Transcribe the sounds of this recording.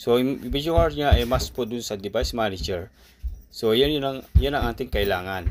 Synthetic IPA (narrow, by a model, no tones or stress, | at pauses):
soʔɪɪbid͡ʒʊaɹɲaɐjmaspod̪ʊnsɐd̪ɪbajsmanɪd͡ʒɛɹ | sojannɐŋjanɐŋʔaːt̪ɪŋkɐʔɪlaːŋan